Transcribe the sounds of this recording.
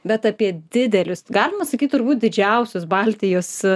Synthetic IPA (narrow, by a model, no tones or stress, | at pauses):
bʲɛt̪ɑpʲiɛd̪ʲɪd̪ʲɛlʲʊsɡɑːlʲɪmɐsɐkʲiːt̪̚ʲt̪ʊɾbuːt̪̚ʲd̪ʲɪd͡ʒʲɛʊsʲʊsbɑːlʲt̪ʲɪjoːs